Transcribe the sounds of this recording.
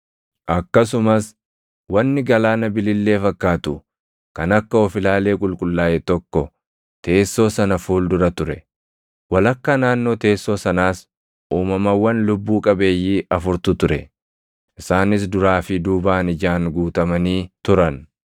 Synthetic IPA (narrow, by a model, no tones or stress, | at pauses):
ʔɐkːɐs̬ʊmɐs | wɐnːɪɡɐlaːnɐbɪlɪlːe̞ːfɐkːaːt̪ʊ | kɐnɐkːɐɔfɪlaːle̞ːkʼʊlkʼʊlːaːʔet̪ɔkːɔ | t̪e̞ːsːo̞ːsɐnɐfuːld̪ʊɾɐt̪ʊɾɛ | wɐlɐkːɐnaːnːo̞ːt̪e̞ːsːo̞ːsɐnaːs | ʔuːmɐmɐwːɐnlʊbːuːkʼɐbe̞ːjːiːʔɐfʊɾt̪ʊt̪ʊɾɛ̰ | ʔɪsaːnɪs̬d̪ʊɾaːfɪd̪uːbaːnɪd͡ʒaːŋɡuːt̪ɐmɐniːt̪ʊɾɐn